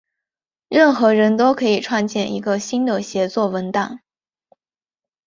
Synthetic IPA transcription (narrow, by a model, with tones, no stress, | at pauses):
ɻə˥˩nxɤ˧˥ɻə˧˥nt̪o˥ʊkʰɤ˧˥i˨˩ʈ͡ʂʰwa˥˧nt͡ɕjɛ˥˩nʔḭ˧˥ɡə˧ɕi˥nd̪ə˨˩ɕjɛ˧˥t͡swɔ˥˩wə˧˥nt̪a˥˩ŋ